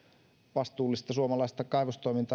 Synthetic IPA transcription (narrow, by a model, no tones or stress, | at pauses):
ʋɑst̪uːlːˑist̪ɑsuomɑlɑist̪ɑkɑiʋost̪oimint̪ɑ